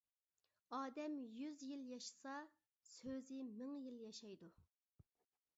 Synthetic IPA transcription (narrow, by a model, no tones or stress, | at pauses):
ɑːd̪ɛmjyzjiljɑʃɨ̥sɑ | søzɪmɪŋjiljɑʃɑjd̪u